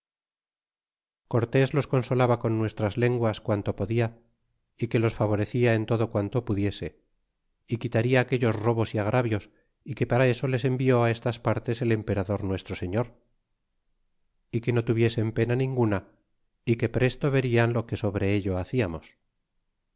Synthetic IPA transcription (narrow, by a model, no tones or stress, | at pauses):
ko̞ɾt̪e̞zlo̞sko̞nso̞laβako̞nːwe̞st̪ɾazle̞ŋɡwaskwant̪o̞po̞ðia | ike̞lo̞sfaβ̞o̞ɾe̞θiae̞nt̪o̞ðokwant̪o̞puðje̞se̞ | ikit̪aɾiaːkeʎo̞zro̞βo̞siaɣ̞ɾʔaβjo̞s | ike̞paɾae̞so̞le̞se̞mbio̞ae̞st̪aspaɾt̪e̞se̞le̞mpe̞ɾaðo̞ɾnwe̞st̪ɾo̞se̞ɲo̞ɾ | ike̞no̞t̪uβje̞se̞mpe̞nanĩŋɡuna | ike̞pɾe̞st̪o̞βe̞ɾianlo̞ke̞so̞βɾe̞eʎo̞aθiamo̞s